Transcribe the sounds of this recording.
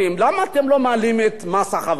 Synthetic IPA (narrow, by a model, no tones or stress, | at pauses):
imlamaːt̪emlo̞maːlimet̪masaχav